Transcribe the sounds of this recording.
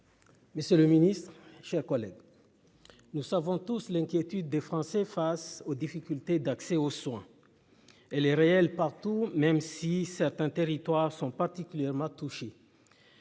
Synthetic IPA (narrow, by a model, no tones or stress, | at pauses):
məsjøləminist̪χʃɛʁkɔlɛ̰ɡ | nusavɔ̃t̪uslɛ̃kʲjet̪yd̪̚ːefχɑ̃sɛfasod̪ifikʲylt̪ed̪aksɛoswɛ̃ | ɛlɛʁeɛlpaʁt̪umɛmsisɛʁt̪ɛ̃t̪eʁit̪waʁsɔ̃paʁt̪ikʲyljɛʁmɑ̃t̪uʃe